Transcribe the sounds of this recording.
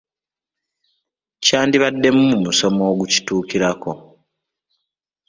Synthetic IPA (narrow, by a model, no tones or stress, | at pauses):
caːndiβadːe̞mumumuso̞mo̞ːɡuci̥tuːkiɾako̞